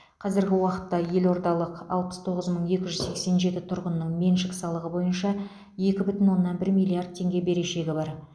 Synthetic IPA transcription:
qʰɑzɪɾɡʲɪwɑqət̪ːɑje̞lo̞ɾd̪ɑlˠəqɑ̰lˠpəst̪ʰo̞ʁəzməɴje̞kʲɪʒʏzse̞kse̞nʒe̞t̪ɪt̪ʰʊɾʁənːəɴme̞nʃɪksɑlˠəʁəbo̞jənʃɑ | e̞kʲɪbʏt̪ɪnwo̞nːɑnbɪɾmʲijlˠiard̪̚t̪ʰe̞ŋɡʲe̞be̞ɾe̞ʃe̞ɡʲɪbɑɾ

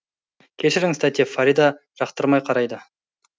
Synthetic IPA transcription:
kʲʰeʃɪɾɪŋst̪at̪ijefaɾid̪ɑ | ʒ̥ɑqt̪əɾmɑjqʰɑɾɑjd̪ə

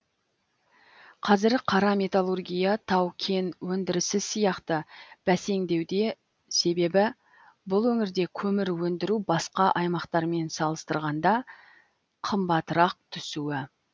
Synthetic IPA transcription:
qʰɑzɪɾqʰɑɾɑme̞t̪alˠurɡʲijɑt̪ʰɑwkʲʰe̞nwɵnd̪ɪɾɪsɪsijɑqt̪əb̥æse̞ŋd̪e̞wd̪e̞ | se̞be̞bɪ | bʊlˠwɵŋɪɾd̪e̞kʲʰɵmɪɾwɵnd̪ɪɾubɑsqɑʔɑjmɑqt̪ɑɾme̞nsɑlˠəst̪əɾʁɑnd̪ɑ | qʰəmbɑt̪əɾɑq̚t̪ʰʏsuwɪ

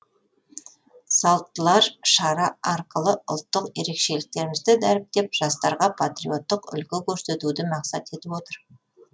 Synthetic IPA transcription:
sɑlˠt̪ːəlˠɑɾʃɑɾɑɑɾqəlˠəʊ̰lˠt̪ːəqje̞ɾe̞kʃe̞lɪk̚t̪e̞ɾɪmɪzd̪ɪd̪æɾɪp̚t̪e̞pʒ̥ɑst̪ɑɾʁɑpʰat̪ɾḭjo̞t̪ːəqʏ̰lkʲɪkʲʰɵɾse̞t̪ud̪ɪmɑqsɑt̪e̞t̪ɪpo̞t̪əɾ

